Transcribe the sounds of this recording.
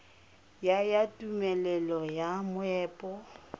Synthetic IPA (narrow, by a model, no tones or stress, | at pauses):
jajatʼumɛlɛlɔjamʊɛːpʼɔ